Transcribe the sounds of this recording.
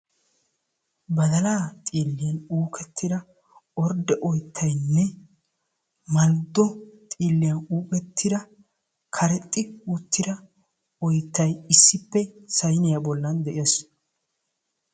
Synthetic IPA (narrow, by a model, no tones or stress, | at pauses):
bɐd̪ɐlaːt̪ʼiːlːɪjɐnuːkʰʼɛt̪ʰːɪd̪ɐ | ɔɾd̪ɛʔɔjt̪ʰːɐjnːɛ | mɐld̪ːɔt̪ʼiːlːɪjɐnuːkʼɛt̪ʰːɪd̪ɐ | kʰɐɾɛt̪ʼːɪut̪ːɪd̪ɐ | ɔjt̪ːɐjɪsːɪpːɛsɐjnɪjɐbɔlːɐnd̪ɛʔɪɐs